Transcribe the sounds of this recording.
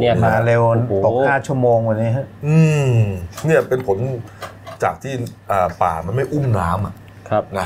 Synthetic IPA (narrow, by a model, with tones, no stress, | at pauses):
naː˧le˧wn˧t̪o˨˩knaː˥˩t͡ɕʰu˥˩əmoː˧ŋwa˧nːiː˦˥ɦa˦˥ʔʔɯː˧ | ni˥˩ɐpe˧npʰo˩˦n | t͡ɕaː˨˩k̚t̪ʰiː˥˩ʔəː˨˩pa̰ː˨˩ma˧nma˥˩jʔu˥˩mnaː˦˥mʔa˨˩ʔ | kʰna˦˥